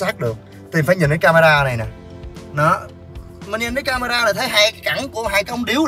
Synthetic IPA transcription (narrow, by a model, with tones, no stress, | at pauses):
saː˦˥k̚ɗɨ˨˩ək̚ | t̪i˨˩mfaː˧˩jɲi˨˩n̟ɗəː˨˦jkaː˧maː˧ɗaː˧na˨˩jnaː˨˩ | nɔ˨˦ | mi˨˩nɲi˨˩nɗəː˨˦jkaː˧maː˧ɗaː˧la˨˩t̪ʰə˨˦jɦaː˧˩jka˨˦ka˧˩ŋku˧˩əɦaː˧˩jkə˧wŋ͡mɗi˨˦w